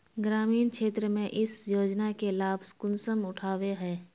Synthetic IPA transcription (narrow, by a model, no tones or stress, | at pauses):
ɡɾaːmiːnkʃeːt̪ɾəmẽʔɪsjoːd͡ʒnakelaːbskʊnsəmʊʈʰaːweɦɛː